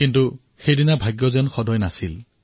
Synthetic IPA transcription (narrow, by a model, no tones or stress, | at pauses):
kintu | xejdinabʱaɡjɔzɛnxɔdɔjnasil